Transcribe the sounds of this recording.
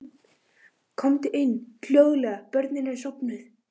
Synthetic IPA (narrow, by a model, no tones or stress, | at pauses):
kʰɔmt̪ɪʔɪnːfl̥joːɣlɛɣapœɾt̪nɪnɛnsɔpnʏð